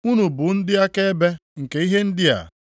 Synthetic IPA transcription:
u˦nu˨bʊ˨n̩˦dɪ˦a˦ke˦be˦ŋ̩˨ke˨˦i˦ɦe˦n̩˦dɪ˦a̰˨

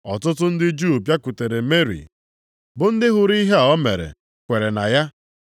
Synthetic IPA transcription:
ɔ˨tʊ˦tʊ˦n̩˦dɪ˦d͡ʒu˦o˨pja˦kʊ˨te˨ɾe˨me˦ɾḭ˨ | bʊ˨n̩˦dɪ˦ɦʊ˨ɾi˦ɦe˦ɔ˦me˨ɾḛ˨ | kʷe˨ɾe˨na̰˨ja˦

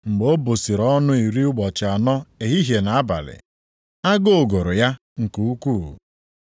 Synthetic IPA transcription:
ŋ͡m̩˨ɡ͡bo˦bo˨si˨ɾɔ˦nʊ˦i˨ɾi˦ʊ˦ɡ͡bɔ˨t͡ʃɪ˨a˨nɔ˦e˨ɦi˦ɦje˨na˨a˦ba̰˨lɪ̰˨ | a˦ɡo˦˨ɡo˨ɾʊ˨ja˦ | ŋ̩˨ku˨u˦ku˦˨

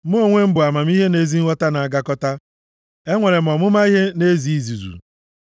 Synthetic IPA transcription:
m̩˦o˦˨ŋʷe˦m̩˦bʊ˨a˨ma˨m˦i˦ɦe˦ne˦zi˦ŋ̩˦ɔ˦ta˦na˨a˨ɡa˦kɔ˦ta˦ | e˦ŋʷe˨ɾe˨m̩˨ɔ˨mʊ˦ma˦i˦ɦe˦ne˦zi˨i˦zu˨zṵ˨

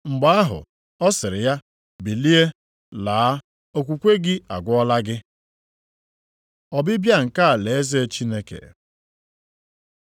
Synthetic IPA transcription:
ŋ͡m̩˨ɡ͡ba˦a˦ɦʊ̰˨ | ɔ˦sɪ˨ɾɪ˨ja˦ | bi˨li˦e˦ | laː˨a˦ | o˨kʷu˨kʷe˦ɡɪ˦a̰˨ɡʷʊ˦ɔ˦la˦ɡɪ˦ | ɔ˨bɪ˦bja˦˨ŋ̩˨ka˦a˨le˨e˦ze˦e˦t͡ʃi˦ne˦kḛ˨

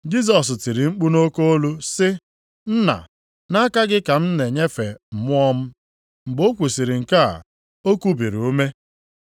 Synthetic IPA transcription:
d͡ʒi˦s̬ɔ˨s̬ti˨ɾi˨ŋ͡m̩˦k͡pu˦no˦ko˦o˦lu˦sɪ˦ | n̩˦na̰˨ | na˦ka˦ɡɪ˦ka˨m̩˦ne˨ɲe˦fe˨m̩˨mʊ˦ɔ˦m̩˦ | ŋ͡m̩˨ɡ͡bo˦kʷu˨si˨ɾɪ˨ŋ̩˨ka̰˦˨ | o˦ku˦bi˨ɾu˦me˦

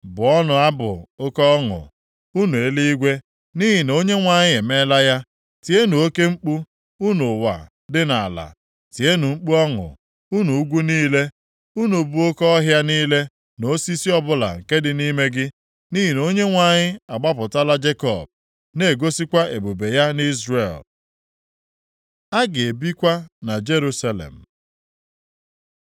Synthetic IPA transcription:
bʊ˨ɔ˦nʊ˨a˦bʊ̰˨ʊ˦kɔ˦ɔ˦ŋʊ̰˨ | u˦nu˨e˦li˦i˦ɡʷe˦ | ni˦ɦi˨no˦ɲe˦ŋʷa˨ɲɪ˦e˨me˦la˦ja˦ | ti˨e˦nu˨o˦ke˦ŋ͡m̩˦k͡pu˦ | u˦nʊ˨wa̰˨ | dɪ˦na˨a̰˨la̰˨ | ti˨e˦nu˨ŋ͡m̩˦k͡pu˦ɔ˦ŋʊ̰˨ | u˦nu˨u˦ɡʷu˦niː˦le˦ | u˦nu˨bu˨˦o˦kɔ˦ɦja˦niː˦le˦ | no˨˦si˦si˦ɔ˦bʊ˦la̰˨ŋ̩˨ke˦dɪ˨ni˦me˦ɡɪ˦ | ni˦ɦi˨no˦ɲe˦ŋʷa˨ɲɪ˦a˨ɡ͡ba˦p̬ʊ˨ta˦la˦d͡ʒe˦kɔ̰˨b̚ | ne˨ɡo˦si˦kʷa˦e˨bu˨be˨ja˦ni˦zrḛ˨l | a˦ɡe˨bi˦kʷa˦na˨d͡ʒe˦ɾu˦sa˦lḛ˨m̩˨

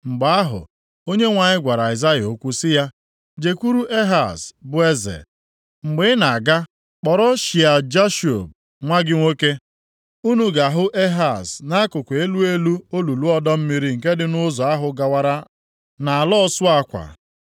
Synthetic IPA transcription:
ŋ͡m̩˨ɡ͡ba˨a˦ɦʊ̰˨ | o˦ɲe˦ŋʷa˨ɲɪ˦ɡʷa˨ɾa˨ɪ˨za˦jo˦kʷu˦sɪ˦ja˦ | d͡ʒe˨kʷu˦ɾu˦ʔe˦ɦa˨sbʊ˦e˦zḛ˨ | ŋ͡m̩˨ɡ͡be˨˦na˨a˨ɡa˦ | k͡pɔ˨ɾɔ˦ʃi˨a˨d͡ʒa˦ʃo˨b̚ | ŋʷa˦ɡɪ˦ŋʷo˦ke˦ | u˦nu˨ɡa˨ɦʊ˦ʔe˦ɦa˨sna˦a˦kʊ˨kʷe˨e˦lu˦e˦lu˦o˦lu˨lu˦ɔ˦dɔ˦m̩˦mi˦ɾi˦ŋ̩˨ke˦dɪ˨nʊ˦zɔ˨a˦ɦʊ˨ɡa˨wa˦ɾa˦ | na˨a˨lɔ˦sʊ˦a˦kʷa̰˨

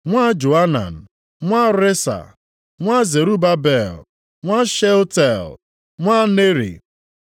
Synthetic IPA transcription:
ŋʷa˦d͡ʒo˨a˦na̰˨n̩˨ | ŋʷa˦ɾe˦sa̰˨ | ŋʷa˦ze˨ɾu˦ba˦bɛ˨l | ŋʷa˦ʃe˦ltɛ˨l | ŋʷa˦ne˦ɾḭ˨

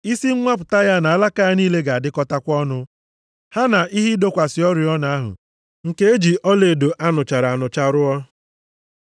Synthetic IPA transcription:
i˦si˦ŋ̩˦ŋʷa˦p̬ʊ˨ta˦ja˦na˨a˨la˦ka˦a˦niː˦le˦ɡa˨dɪ˦kɔ˦ta˦kʷɔ˦nʊ˦ | ha˦na˨ʔi˦ɦi˦do˦kʷa˨sɪ˨ɔ˦ɾi˨ɔ˦na˨a˦ɦʊ̰˨ | ŋ̩˨ke˦e˦d͡ʒi˨ʔɔ˦le˨do˨ʔa˦nʊ˨t͡ʃa˨ɾa˨a˨nʊ˨t͡ʃa˦ɾʊ˦ɔ˦

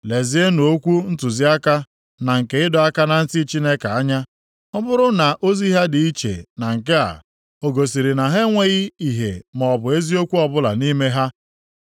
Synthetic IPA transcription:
le˨zi˦e˦nu˨o˦kʷu˦n̩˦tʊ˨zi˦a˦ka˦ | na˨ŋ̩˨ke˦ɪ˦dɔ˨a˦ka˦na˨n̩˦ti˦t͡ʃi˦ne˦ka˨a˦ɲa˦ | ɔ˦bʊ˦ɾʊ˦na˨ʔo˦zi˦ɦa˦dɪ˨i˦t͡ʃḛ˨na˨ŋ̩˨ke˦a̰˨ | o˨ɡo˨s̬i˨ɾi˨na˨ɦe˦ŋʷe˦ɣɪ˦i˨ɦḛ˨mɔ˨bʊ˨e˦zi˦o˦kʷu˦ɔ˨bʊ˦la̰˨ni˦me˦ɦa˦

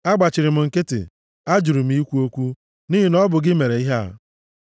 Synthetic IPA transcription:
a˦ɡ͡ba˨t͡ʃɪ˨ɾɪ˨m̩˨ŋ̩˨ke˦tɪ̰˨ | a˦d͡ʒu˨ɾu˨m̩˦i˦kʷu˦o˦kʷu˦ | ni˦ɦi˨nɔ˦bʊ˨ɡɪ˦me˨ɾe˨i˦ɦe˦˨

